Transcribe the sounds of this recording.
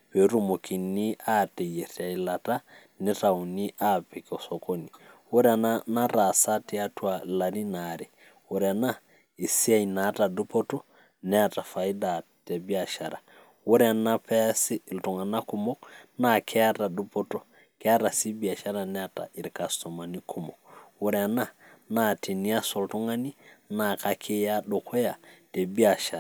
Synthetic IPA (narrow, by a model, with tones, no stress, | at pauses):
pe˨˦ɾu˦mo˨ki˨ni˦a˦tɛ˨je˨ɾa˨ila˨ta˦ | nɪ˦ta˨u˨ni˦ʔa˦pi˨kɔ˨sɔ˨ko˦ni˨wo˦ɾɛ˦a˨nana˦ɾa˨sa˦ti˦a˦twa˨la˨ni˦na˨ɾi˨ | wo˨ɾɛa˨na˦ | i˨si˦a˦i˨na˨˦ta˨ɗu˦pɔ˦tɔ˦ | nɛ˦a˨ta˨fa˨i˦da˨tɛ˨bi˦a˨ʃa˨ɾa˨ | wu˦ɾɛ˦a˨na˦pɛ˦si˦˨ltu˨ŋa˨na˦ku˨mo˦k̚na˦kʰɛ˦a˦ta˨ɗu˦po˦to˦ | kɛ˦a˦ɾa˨si˦bi˨a˨ʃa˦ɾa˨nɛ˦a˨ta̰˨ʔi˨ɾka˨sto˨ma˨ni˦kʰu˨mɔ˨k̚wu˦ɾɛ˨a˨na˦na˦ti˨ni˦a˦so˨ltu˦ŋa˦ni˦na˨ka˦kʰi˦ja˦ɗo˨kʰɔ˦ja˨te˨bi˦a˨ʃa˨